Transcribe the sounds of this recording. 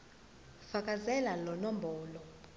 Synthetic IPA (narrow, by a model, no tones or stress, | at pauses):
fakʼazɛlalɔnɔmbʱɔːlɔ